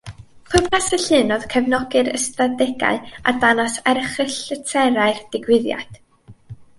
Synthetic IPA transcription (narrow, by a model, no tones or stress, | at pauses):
pʰʊrpʰasəɬɨnɔð̥kʰəvnɔɡɨɾə̰stadɛɡa̰ɨa̰danasɛrχrɪɬətʰɛɾaɨrd̥ɪɡwɪðja̰d̥